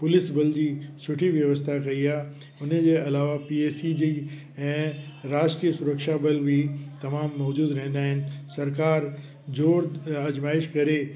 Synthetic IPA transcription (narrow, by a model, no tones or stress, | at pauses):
pʊlɪsbɐld͡ʑiːsʊʈʰiʋjɐʋəst̪ʰakɐiaː | ʊnd͡ʑeɐlaːʋapieːsid͡ʑi | ɛ̃ːɾaːd͡ʑʈɾiːəsʊɾəkʃabɐlbʱit̪ɐmaːmːɔːd͡ʑuːd̪ɾɐɦɪ̃nd̪aːɦɪnɪ̆sɐɾkaːɾ | d͡ʑoːɾɐd͡ʑmaːɪʃkɐɾe